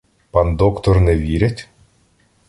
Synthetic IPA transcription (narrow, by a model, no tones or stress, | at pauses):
pand̪ɔkt̪ɔrnɛʋʲiɾʲɪtʲ